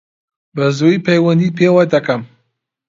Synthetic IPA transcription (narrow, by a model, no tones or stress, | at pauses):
bɐzujpɐjwɐnd̪iːpʰewad̪ɐkɐm